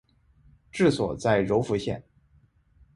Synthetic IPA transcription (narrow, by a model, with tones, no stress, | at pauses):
ʈ͡ʂɻ̩˥˩swɔ̰˨˩t͡sa˥˩ɪɻo˧˥ʊfu˧˥ɕjɛ̰˥˩n